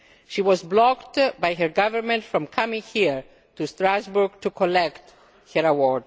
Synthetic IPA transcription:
ʃiwɔzblɔkt̪bajɦɛɹɡavəɹmɛ̃ntfɹɔ̃mkʰamĩŋhiɹ | t̪ust̪ɾazbuɹɡt̪ukʰɔlɛkt̪ | hɛɹawɔɹd

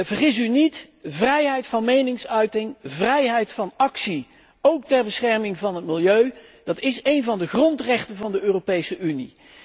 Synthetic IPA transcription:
vəɹχɪs̬ynit | vrɛjɦɛjtfɑnmejnɪŋsœɥtɪŋvrɛjɦɛjtfɑnɑksi | owktɛɹbəsχɛɹmɪŋvɑnɦət̚mɪlˠjøɥd̥ɑtɪsejnvɑndəχrɔntrɛχtənvɑndəøːropejsəʔynḭ

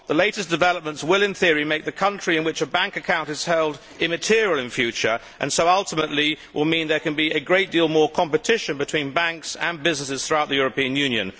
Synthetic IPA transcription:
ðəleɪɾɨsd̥ɨvɛlˠəp̚mə̃ntswɪlˠɨ̃nθɪəɹimeɪk̚ðɨkʰʌ̃nt͡ʃɹ̥iɨ̃nwɨt͡ʃəbæ̃ŋkɨkʰãʊ̃ntɨz̥hɛlˠd | ɪ̃mɨtʰɪɹilˠɨ̃nfjʉt͡ʃə̰˞ | ʔɨ̰̃nsoʊʌlˠtəməʔˡliwʔɪlˠmĩnðə˞kɨ̃nbiɨɡɹeɪt̚d̥ilˠmɔɹkʰɑ̃mpɨtʰɪʃɨ̃nbɨtʰw̥ĩnbæ̃ŋksə̃nbɪznəsɨz̥θɹuaʊt̪̚ðɨjʊɹəpĩɨ̃njʉ̃njɨ̰̃n

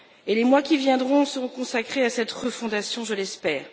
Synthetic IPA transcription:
elemwakʲivjɛ̃d̪ʁɔ̃səʁɔ̃kɔ̃sakχeasɛt̪ʁəfɔ̃d̪asjɔ̃ʒəlɛspɛːʁ

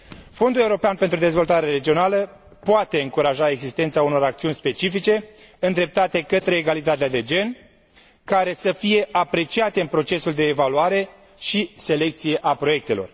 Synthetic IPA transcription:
fo̞nd̪ule̞uɾo̞peanpent̪ɾud̪e̞zvo̞lt̪aɾe̞ɾe̞d͡ʒio̞nalə | poat̪e̞ɨŋkuɾaʒae̞ɡzist̪e̞nt̪sauno̞ɾak̚t̪siunʲspe̞t͡ʃifit͡ʃe̞ɨnd̪ɾe̞p̚t̪at̪e̞kət̪ɾe̞ːɡalit̪at̪ead̪e̞d͡ʒe̞n | kaɾe̞səfije̞ʔapɾe̞t͡ʃiat̪eɨnpɾo̞t͡ʃe̞suld̪e̞ːvaluaɾe̞ | ʃise̞le̞k̚t̪sije̞ʔapɾo̞je̞k̚t̪e̞lo̞̰r

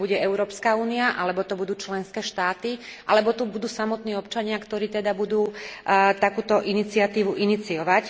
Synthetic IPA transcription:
buɟɛɛʊɾɔːpskauːniaʔalɛbɔt̪ɔbud̪uːt͡ʃlɛnskɛːʃt̪aːt̪iʔalɛbɔt̪ubud̪uːsamɔt̪niːɔpt͡ʃaɲɪakt̪ɔɾiːt̪ɛd̪abud̪uːt̪akuːt̪ɔʔinit͡siɪat̪iːʋuʔinit͡siɔʋac

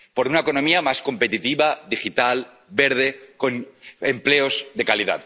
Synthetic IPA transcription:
po̞ɾunaeko̞no̞miamasko̞mpe̞t̪it̪iβaðixit̪al | be̞ɾð̞e̞ko̞nempleo̞zðe̞kaliða̰t

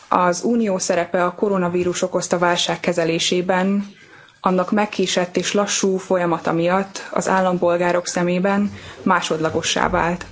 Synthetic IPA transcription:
ɒzuːnijoːsɛɾɛpɛɒko̞ɾo̞nɒviːɾuʃo̞ko̞st̪ɒvaːlʃaːkːɛzɛleːʃeːbɛn | ɒnːɒkmɛkːiːʃɛt̪ːeːʃlɒʃːuːfo̞jɒmɒt̪ɒ̰mijɒt̪ːɒ̰za̰ːlːɒmpo̞lɡaːɾo̞ksɛmeːbɛnmaːʃo̞d̪lɒɡo̞ʃːa̰ːva̰ːlt̪

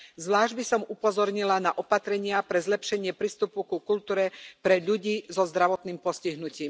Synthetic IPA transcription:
zʋlaːʒɟbisɔmupɔzɔɾɲilanaʔɔpat̪ɾɛɲɪapɾɛzlɛpʃɛɲɪɛpɾiːst̪upukukult̪uːɾɛpɾɛʎuɟiːzɔzd̪ɾaʋɔt̪niːmpɔsciɦnuciːm

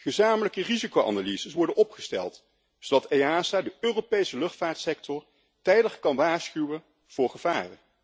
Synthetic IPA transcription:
χəzaːmələkərizikowʔɑ̰nalizəsʋɔɹdənɔpχəstɛ̰lˠt | zowdɑtejaːsaːdəʔøːropejsəlɵχtfaːɹtsɛk̚tɔɹ | tɛjdəχkɑnʋaːɹsχywən | v̥ʊːɹχəv̥aːrə̰n

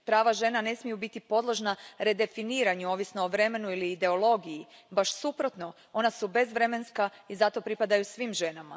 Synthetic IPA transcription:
pɾaːʋaʒe̞nane̞smijubit̪ipo̞d̪lˠo̞ʒnaɾe̞d̪e̞finiːɾaɲuo̞ːʋisnoːʋɾe̞me̞nuiliːd̪e̞olˠo̞ɡijibaʃsupɾo̞t̪no̞ | o̞nasube̞zʋɾe̞me̞nska | izat̪o̞pɾipad̪ajusʋiːmʒe̞nama̰

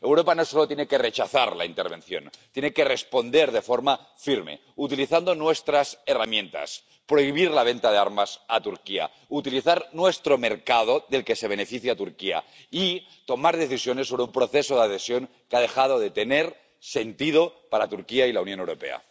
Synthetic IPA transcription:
ewɾo̞pano̞so̞lot̪jeneke̞re̞t͡ʃaθa̰ɾla̰int̪eɾβ̞ẽ̞̰nθjo̞̰ntt̪jeneke̞respo̞nd̪e̞ɾðefo̞ɾma | fiɾmḛ | ut̪iliθand̪o̞nwe̞st̪ɾase̞ramjẽ̞nt̪a̰s | pɾo̞iβ̞iɾlaβe̞nt̪að̞ea̰ɾmasat̪uɾkia̰ | ut̪iliθaɾnwe̞st̪ɾo̞me̞ɾkað̞oðe̞lke̞se̞β̞e̞nefiθjat̪uɾkia̰ | i | t̪o̞maɾð̞e̞θisjo̞nesːo̞β̞ɾeumpɾo̞θe̞soðaðesjo̞ŋ | keað̞e̞xað̞oðe̞t̪e̞neɾ | se̞nt̪ið̞o̞paɾat̪uɾkiailaunjonewɾo̞̰pe̞̰a̰

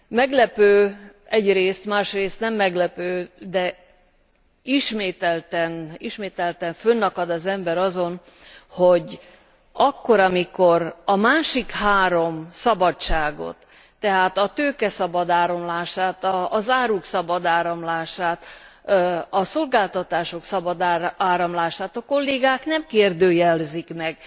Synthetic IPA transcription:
mɛɡlɛpøː | ɛɟreːst̪maːʃreːst̪nɛmːɛɡlɛpøːd̪ɛ | iʃmeːt̪ɛlt̪ɛniʃmeːt̪ɛlt̪ɛɱfønːɒkɒd̪ɒzɛmbɛɾɒzo̞n | ho̞ɟ | ɒkːo̞ɾɒmiko̞ɾɒmaːʃikhaːɾo̞msɒbɒt͡ʃt͡ʃːaːɡo̞̰t̪ː | ɛɦaːt̪ɒt̪øːkɛsɒbɒd̪aːɾomlaːʃaːt̪ɒːzaːɾuksɒbɒd̪aːɾɒmlaːʃaːt̪ | ɒso̞lɡaːlt̪ɒt̪aːʃo̞ksɒbɒd̪aːɾɒmlaːʃaːt̪ɒko̞lːeːɡaːknɛmkeːrd̪øːjɛlzikmɛɡ

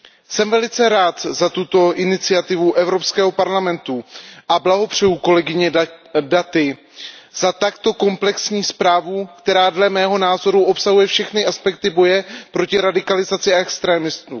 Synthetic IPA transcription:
sɛmvɛlɪt͡sɛɾaːt̪zat̪ut̪o̞ʔɪnɪt͡sɪat̪ɪvuʔɛvɾo̞pskɛːɦo̞paɾlamɛnt̪uʔablaɦo̞pr̝̥ɛjuːko̞lɛɡɪɲɛdat̪ɪ | z̥at̪akt̪o̞ko̞mplɛksɲiːspɾaːvukt̪ɛɾaːdlɛmɛːɦo̞naːzo̞ɾuʔo̞psaɦujɛfʃɛxnɪʔaspɛk̚t̪ɪbo̞jɛpɾo̞cɪɾadɪkalɪzat͡sɪaɛkst̪ɾɛːmɪsmu

